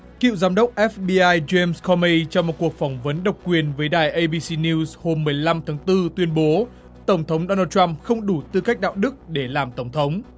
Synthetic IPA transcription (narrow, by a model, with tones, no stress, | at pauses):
kḭ˧˨wzaː˨˦mɗə˦˥wk͡p̚ʔɛ˦˥fɓi˧ʔaː˧jze˧mskʰɔ˧mi˧t͡ɕɔ˧wŋ͡mmo˨˩t̚ku˨˩ək̚fɔ˧˩wŋ͡mvə˨˦nɗə˨˩wk͡p̚kwi˨˩ənvəː˨˦jɗaː˨˩jʔə˧jɓi˧si˧ni˧sho˧mːɨ˨˩əjla˧mt̪ʰaː˨˦ŋt̪ɨ˧t̪wi˧ənɓo˨˦ | t̪ə˧˩wŋ͡mt̪ʰə˨˦wŋ͡mɗo˧naː˧t͡ɕwa˧mxə˧wŋ͡mɗu˧˩t̪ɨ̰˧˨ka˦˥k̚ɗa̰ː˧˨wɗɨ˦˥k̚ɗe˧˩laː˨˩mt̪ə˧˩wŋ͡mt̪ʰə˨˦wŋ͡m